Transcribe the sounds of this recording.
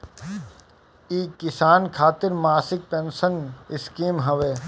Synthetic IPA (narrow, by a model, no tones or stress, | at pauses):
iːkɪsaːnkʰaːt̪ɪɾmaːsɪk̚pẽːnsənɪskiːmɦɐʋeː